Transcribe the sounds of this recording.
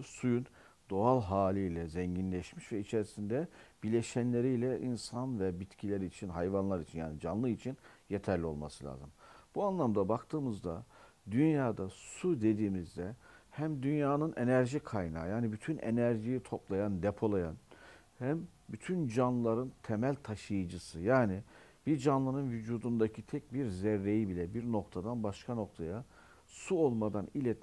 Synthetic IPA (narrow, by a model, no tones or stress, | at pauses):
sujun | d̪̥o̞alˠɦaːlʲijlʲɛzɛɲɟinlʲɛʃmiʃvɛit͡ʃʰe̞ɾisind̪ɛb̥ilʲeʃænlʲe̞ɾijlʲɛʔinsanvɛbit̪cʰilʲæɾit͡ʃʰinɦajvanlˠaɾit͡ʃʰinjaːnid͡ʒanlˠɯit͡ʃʰinjet̪ʰæɾlʲio̞̰lˠmasɯlʲˠa̰ːzɯmb̥uanlˠamd̪abakt̪ʰɯːmɯzd̪a | d̪ynjaːd̪asud̪e̞d̪iːmizd̪ɛhæmd̪ynjaːnɯnʔe̞næɾʒikʰajna̰ːjaːnibyt̪ʰynḛnæɾʒijit̪ʰo̞plˠajand̪epʰo̞lˠajan | hæm | byt̪ʰynd͡ʒanllˠaɾɯnt̪ʰemælʲt̪ʰaʃɯjɯd͡ʒɯsɯjaːnib̥iɾd͡ʒanlˠanɯnvyd͡ʒuːd̪und̪acʰit̪ʰɛc̚biɾzɛɾːe̞jibilʲɛbiɾno̞kt̪ʰad̪anbaʃkʰano̞k̚t̪ʰaja | suo̞lˠmad̪anilʲɛt̪